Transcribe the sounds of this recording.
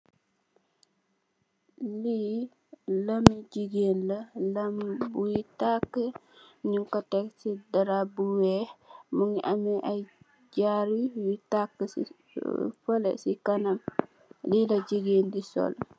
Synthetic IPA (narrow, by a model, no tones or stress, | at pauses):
li | lamiɟiɡenlɐlambujitakːəɲuŋkatɛksidaɾabuwɛmuŋiʔamiʔaj | d͡ʒaɾijutakːəsḭ | fɔlɛ̰sikanam | lilɐd͡ʒiɡendisɔ̰l